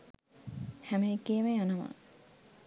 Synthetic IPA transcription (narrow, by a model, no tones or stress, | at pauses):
hæmekːeːmeɐnɐmɐ̰